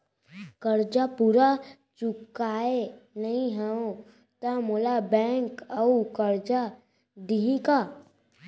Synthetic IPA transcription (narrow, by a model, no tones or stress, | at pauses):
kɐɾd͡ʒapuːɾa | t͡ʃʊkaːenɐɦĩɦɛõ | t̪amoːlabɛ̃ːŋkɐukɐɾd͡ʒa | d̪iɦĩka